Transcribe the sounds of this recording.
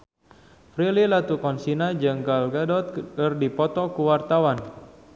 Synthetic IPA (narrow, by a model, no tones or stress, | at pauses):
fɾililat̪ukɔnsinad͡ʒəŋɡalɡadɔt̪̚kɨrdipɔt̪ɔkuwart̪awan